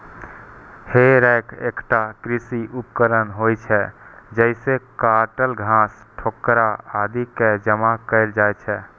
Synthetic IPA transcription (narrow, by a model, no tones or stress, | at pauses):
heɾɛkʰḛkʈakɾisiupkəɾənɦojt͡ʃʰɛd͡ʒəɪsekaʈəlɡʱãs | ʈʰokːɾaad̪iked͡ʒəmakəɪld͡ʒajt͡ʃʰɛ